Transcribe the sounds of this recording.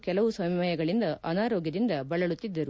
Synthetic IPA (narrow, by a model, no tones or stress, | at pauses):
kɛlɐʋusɐmmɐjɐɡɐɭind̪ɐʔɐnaːɾoːɡjɐd̪ind̪ɐbɐɭɐɭut̪ːid̪ːɐɾu